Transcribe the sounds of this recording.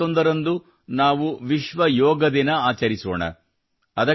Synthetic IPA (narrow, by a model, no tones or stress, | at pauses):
ond̪ɐɾɐnd̪u | naːʋuʋiʃʋɐjɔːɡɐd̪inɐaːt͡ʃɐɾiso̰ːɳɐ̰ | ɐd̪ɐ